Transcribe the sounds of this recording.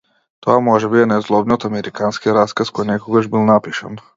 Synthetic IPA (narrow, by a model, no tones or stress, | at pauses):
t̪oamoʒɛbiɛnɛzlˠobniot̪amɛɾikanskiɾaskaskojnɛkoɡaʒbilˠnapiʃa̰n